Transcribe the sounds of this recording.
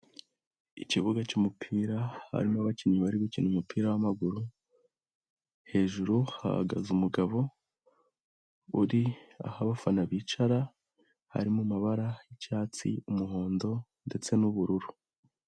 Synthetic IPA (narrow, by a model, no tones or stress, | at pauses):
iciβuɡacumupʰiːɾaha̰ɾimoβaciɲiβaɾiβiciːnumupʰiːɾawamaɡuɾu | he̞ːʒuɾuha̰ha̰ɡa̰zumuɡaβo̞ | uɾia̰haβafanaβiːt͡ʃaɾa | ha̰ɾimumaβaɾajicaːt͡sḭumuɦo̞ːndo̞ | nde̞t͡se̞nuβuɾuɾu